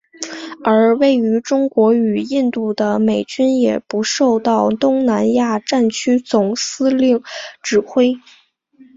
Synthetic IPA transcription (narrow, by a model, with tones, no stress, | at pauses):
ə˞˧˥we˥˩ɪy˧˥ʈ͡ʂʊ˥ŋkwɔ˧˥y˨˩i˥˧nt̪u˥˩d̪ə˩me˨˩ɪt͡ɕy˥njɛ˨˩pu˧˥ʂo˥˧ʊt̪ɑ˥˩ʊt̪ʊ˥ŋna˧˥nja˥˩˧ʈ͡ʂa˥˩nt͡ɕʰy˥t͡sʊ˨˩ŋsɹ̩˥li˥˩ŋʈ͡ʂɻ̩˨˩xwe˥ɪ